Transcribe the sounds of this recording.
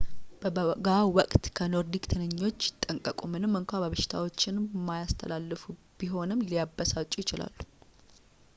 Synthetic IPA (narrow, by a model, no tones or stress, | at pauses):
bɡawɔkʼt̪kʰəno̞ɾd̪ikt̪ʰɨnɨɲːo̞t͡ʃːjɪt̪ʼːəŋkʼəkʼumɨnɨmːɨŋkʷabəβəʃɪ̥t̪ʰa̰wo̞t͡ʃːɪnmajast̪ʰəlalːɨfu | b̥iɦo̞nɨmlijabːəsat͡ʃʼːujɪt͡ʃɪla̰lːu̥